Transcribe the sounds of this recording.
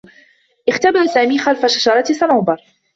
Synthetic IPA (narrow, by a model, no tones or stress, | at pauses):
ʔɪxt̪abɪɾˤsaːmiːxalfaʃaʃɑɾˤɑt̪sanawbɑɾˤ